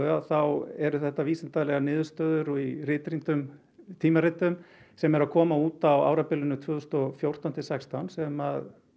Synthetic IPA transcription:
ʏaθawɛɾʏθɛht̪ːaviːsɪnt̪alɛɣanɪːðʏɾst̪œːðʏɾirɪːt̪ɾint̪ʏm | t̪ʰiːmaɾɪt̪ʏmsɛmɛɾaðkʰɔːmauːt̪awa̰ːwɾapɪlːʏnʏt̪ʰvʏːðʏst̪ɔfjowr̥t̪awn̥t̪ɪsɛkst̪awnsɛmað

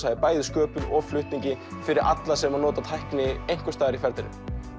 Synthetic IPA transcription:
ajðɪpaːjðɪskœːpʏɾɔflʏht̪niɲcɪfɪɾɪɾa̰t̪lasɛmanɔːt̪at̪ʰajhknɪejŋ̥kʏst̪aːðɪɾifɛɾt̪ɪnʏ̰m

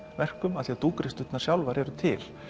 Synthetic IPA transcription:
vɛr̥kʏmaθiat̪uːkɾɪst̪ʏt̪nḁsjawlvaɾɛɾʏt̪ʰɪ̰l̥

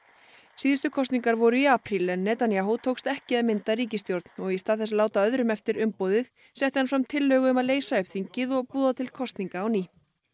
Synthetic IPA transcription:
siːðʏst̪ʏkʰɔst̪niŋkaɾvɔɾʏiapɾilɛnːɛt̪anijaɦut̪ʰoːwkst̪ɛhcɪɛðmɪnt̪aɾiːcɪst̪jowɾt̪nɔɣist̪aːðɛsalaːwt̪aœðɾʏmɛft̪ɪɾʏmpowðɪð | sɛht̪ɪhanfɾamt̪ʰɪlːœːɣʏʏmaðleːjsaʏpθiɲcɪðɔɣpuːðat̪ʰɪlkʰɔst̪niŋkaːwniː

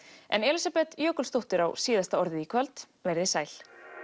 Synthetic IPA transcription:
ɛ̰nɛlisapɛt̪jœːkʏlst̪owht̪ɪɾawsiːðast̪aɔɾðɪiːkʰvalt̪ | vejɾðɪsaːjl̥

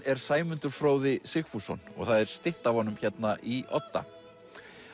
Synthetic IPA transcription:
ɛɾ̥saːjmʏnt̪ʏɾ̥fɾoːwðɪsɪxfusɔnɔ̰ɣθaðɛɾ̥st̪ɪht̪avhɔnʏmçɛt̪naʔiɔ̰t̪ːa̰

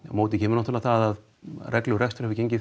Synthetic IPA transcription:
moːwt̪ɪcʰɛːmʏɾnɔht̪ʰːlaθaðað | rɛklʏrɛxst̪ʏ̥ɾhɛvʏceɲcɪ

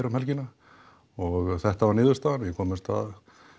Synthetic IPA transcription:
ɾamɛlcɪna | ɔɣθɛht̪avaɾnɪːðʏɾst̪aːðanjɛkʰɔːmɪst̪a̰ð

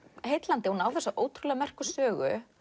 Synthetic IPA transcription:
hejt̪lant̪ɪhunaːwθɛsaʔoːwt̪ʰɾulɛɣamɛr̥kʏsœːɣʏ̰

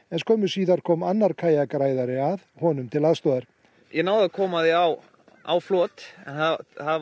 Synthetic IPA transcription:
ɛnskɔːmʏsiːðaɾ̥kʰɔːmanːaɾkʰaːjakɾaːjðaɾɪaðhɔnʏmt̪ʰɪlaðst̪ɔːðaɾ̥ | jɛnaːwðakʰɔːmaðɪaw | a̰wflɔːt̪ɛ̰naha

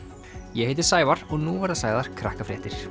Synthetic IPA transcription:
jɛheːjt̪ɪɾ̥saːjvaɾɔɣnuvaɾðasaːjðaɾ̥kʰɾa̰hkafɾɛ̰ːht̪ɪɾ̥

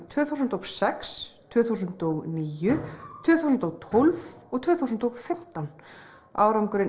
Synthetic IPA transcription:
t̪ʰvʏːθuwsʏnt̪ɔɣsɛkst̪ʰvʏːθus̬ʏnt̪ɔɣniːjʏt̪ʰvʏːθusʏnt̪ɔɣt̪ʰolvɔɣt̪ʰv̥ʏːθus̬nt̪ɔɣfɪm̥t̪an | ʔa̰ːwɾamkʏɾɪ

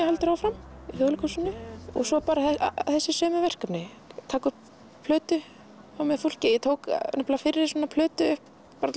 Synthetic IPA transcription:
hajlt̪ʏɾawfɾamiθowlɪkʰusʏnʏɔ̰ɣsɔpaːɾaθɛθɛsːɪsœːmʏvɛr̥kapnɪ | t̪ʰaːkʏ | pʰlœːt̪ʏ | awmɛfol̥cɪjɛt̪ʰoːwknaplafɪɾɪ̥sɔːnapʰlœːt̪ʏʏhp | pːaːɾa

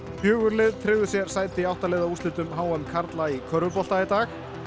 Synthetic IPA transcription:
pjœːɣʏɾlɪðt̪ʰɾɪɣðʏsjɛɾ̥saːjt̪ɪiawht̪alɛːðaust̪ɪːt̪ʏmɦaːwamkʰaɾt̪laikʰœɾvʏpɔl̥t̪ait̪aːx

